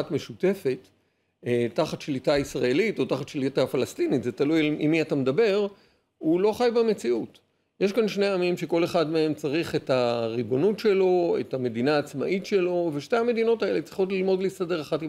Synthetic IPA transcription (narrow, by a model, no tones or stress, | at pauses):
atme̞ʃute̞fe̞t | tːaχatʃlitaisʁaelito̞taχatʃlitafalastinitzetalujalimiatamedabe̞ʁ | ulo̞χajbeme̞t͡siut | je̞ʃkanʃne̞amimʃe̞ko̞le̞χadme̞e̞mt͡saʁiχe̞taʁibo̞nutʃe̞lo̞ḛtame̞dinaːt͡sma̰ʔitʃe̞lo̞ve̞ʃte̞ame̞dino̞tae̞le̞t͡sʁiχo̞tlilmo̞dlisade̞ʁaχati